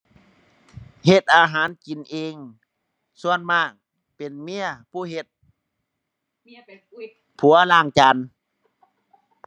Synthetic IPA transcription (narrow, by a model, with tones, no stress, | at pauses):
he˧˩t̪̚ʔaː˧ɦaː˨˦nki˨nʔeː˧ŋ | su˧ənmaː˧˩k̚ | pe˨nmi˧˥˨ɐpʰuː˧˥˩ɦe˧t̪̚ | pʰu˨˦ɐlaː˧˩ŋt͡ɕa˨˧n